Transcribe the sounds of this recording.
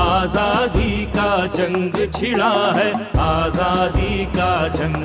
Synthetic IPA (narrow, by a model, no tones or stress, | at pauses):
aːzaːd̪ikad͡ʒɐ̃ŋɡt͡ʃʰɪɭaɦɛaːzaːd̪ikad͡ʒɐ̃ŋ